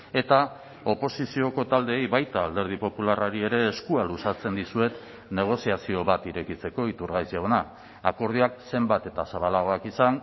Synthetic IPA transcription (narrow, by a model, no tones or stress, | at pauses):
e̞t̪a | o̞po̞sisio̞ko̞t̪ald̪e̞ːjβajt̪aːld̪e̞ɾð̞ipo̞pularaɾie̞ɾe̞ːskualusat͡se̞nd̪isue̞t̪ | ne̞ɣ̞o̞siasio̞βat̪iɾe̞kit͡se̞ko̞it̪uɾɣajsaona | ako̞ɾð̞iakse̞mbat̪e̞t̪asaβ̞alaɣ̞o̞akisan